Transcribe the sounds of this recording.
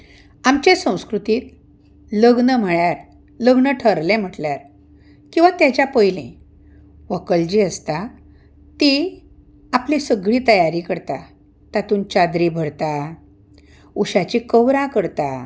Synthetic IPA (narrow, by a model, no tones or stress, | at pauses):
amt͡ɕesə̃w̃skɾut̪iːt̪ | ləɡnəm̤əɭjaɾ | ləɡnəʈʰəɾlem̤əʈljaɾ | kĩw̃ʋat̪jat͡ɕjapəjlḛ̃ | ʋəkəɭd͡ʑiəst̪a | t̪i | aplisəɡɭiːt̪əjaɾikəɾt̪a | t̪at̪uːnt͡ɕad̪ɾibʱəɽt̪a | uɕat͡ɕikəʋɾãkəɾt̪a